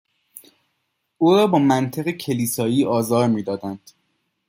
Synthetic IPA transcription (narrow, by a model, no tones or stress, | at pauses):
ʔuːɾɒːbɒːmænt̪ʰeɣecʰe̞liːsɒːiːʔɒːzɒːɾmiːd̪ɒːd̪ænd̪̥